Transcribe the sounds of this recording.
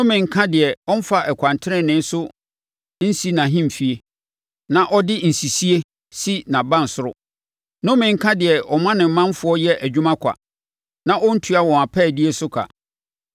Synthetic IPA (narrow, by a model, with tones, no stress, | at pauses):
nʊ̃˦mɪ̃˨ŋ̩˦kʰã˦dɪ˨ɛ˨ɔ̃˦n˦fa˦ʔɛ˨kʷʰã˨ntʰɪ˦ɾɪ̃˦nɪ̃˦n˦sʊ˦ | n̩˦si˦nã˨ɦĩ˦m˨fi˨e˨ | nã˦ʔɔ˦dɪ˦n̩˨si˨si˦e˦ | si˦nã˨bã˦˨n̩˨sʊ˦ɾʊ˦˨ | nʊ̃˦mɪ̃˨ŋ̩˦kʰã˦dɪ˨ɛ˨ʔɔ˨mã˦nɪ̃˨m̩˦mã˦n˦fʊ˨˦ɔ˦jɛ˦ʔæ˨d͡ʑᶣu˦mã˦kʷʰa̰˨ | nã˦ʔɔ˦n̩˦tʰu˦a˦wɔ̃˨a˨pʰɛː˦˨di˦e˦sʊ˦kʰa̰˨